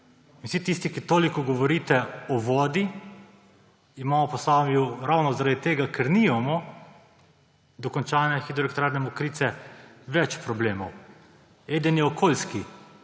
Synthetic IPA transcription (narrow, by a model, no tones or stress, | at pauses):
insit̪ist̪ikit̪oːlikɔɡɔʋɔɾiːt̪ɛɔʋɔːd̪i | imaːmɔpɔsaːmjuɾawnɔzaɾad̪it̪eːɡakɛɾnimamɔ | d̪ɔkɔnt͡ʃaːnɛxid̪ɾɔlɛkt̪ɾaːɾnɛmɔkɾiːt̪sɛ | ʋɛt͡ʃpɾɔbleːmɔw | eːd̪injɛɔkʰoːlski